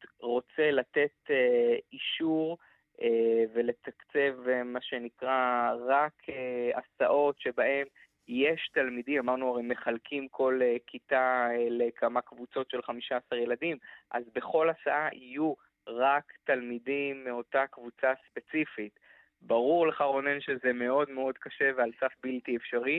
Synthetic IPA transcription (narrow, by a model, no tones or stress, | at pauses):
ʁo̞t͡selate̞t̪eiʃuʁ | eve̞le̞t̪akt͡se̞vemaʃe̞nikʁaʁakʰeasaʔo̞tʃe̞baʔe̞m | je̞ʃt̪almidimamaʁnuaʁejme̞χalkʰimkʰo̞lekʰitaelekʰamakvut͡so̞tʃe̞lχamiʃaːsaʁje̞ladimʔazbe̞χo̞lasaʔaʔiju | ʁaktalmidimːeo̞takvut͡saspe̞t͡sifit | baʁuʁleχaʁo̞nenʃezeme̞o̞d̪meo̞d̪kaʃe̞vealsafbiltiefʃaʁi